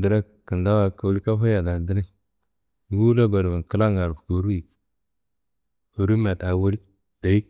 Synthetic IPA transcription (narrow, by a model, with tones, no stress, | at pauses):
də˨ɾa˦ | kə˨nda˦wa˨ku˦li˦ka˦fa˦ja˨da˨di˦ɾi˦˨ | ɡu˦la˦ɡo˨dbi˨kə˦la˦ŋa˨ɾko˨ɾu˦i˨ | o˨ɾu˦ma˨ta˨˦wu˦ɾi˦ | d̥a˨i˦